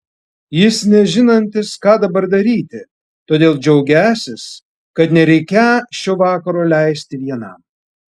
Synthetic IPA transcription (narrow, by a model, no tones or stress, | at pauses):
jɪsnʲɛʒʲɪnɐnʲt̪ʲɪskɑːd̪ɐbɐɾd̪ɐɾʲiːt̪ʲɪ | t̪oːd̪ʲeːlˠd͡ʒʲɛʊɡʲæːsʲɪs | kɐt̪nʲɛɾʲɛɪkʲæʃʲoːʋɑːkɐɾoːlʲæɪsʲt̪ʲɪʋʲiɛnɐm